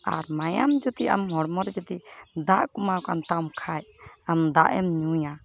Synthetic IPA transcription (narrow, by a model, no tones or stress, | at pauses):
a̰ɾmajamd͡ʒut̪iʔa̰mɦɔɽmɔɾɛd͡ʒɔt̪id̪aʔkumakant̪awmkʰajamd̪aʔɛmɲuja